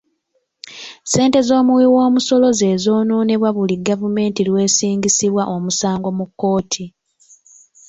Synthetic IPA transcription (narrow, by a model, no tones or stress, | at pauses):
se̞ːnte̞zo̞ːmuwiwo̞ːmuso̞lo̞ze̞ːzo̞ːnuːneβwaβuliɡavume̞ːntilwe̞ːsiːŋɡisiβwaʔo̞musaːŋɡo̞mukːo̞ːtʰi